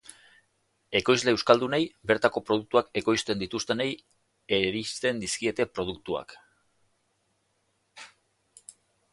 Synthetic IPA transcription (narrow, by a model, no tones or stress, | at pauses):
e̞ko̞jzle̞ːwskald̪unejbe̞ɾt̪ako̞pɾo̞ð̞uk̚t̪uake̞ko̞jst̪e̞nd̪it̪ust̪e̞nej | eɾist̪e̞nd̪iskie̞t̪e̞pɾo̞ð̞ukt̪ua̰k